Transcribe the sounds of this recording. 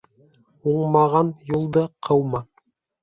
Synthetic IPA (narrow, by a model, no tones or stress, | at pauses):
uɴmɑʁɑnjulˠd̪ɤqʰɤwmɑ